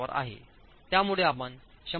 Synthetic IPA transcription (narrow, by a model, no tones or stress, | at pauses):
ʋəɾʔa̰ɦḛ | t̪jamuɭeapən | ɕə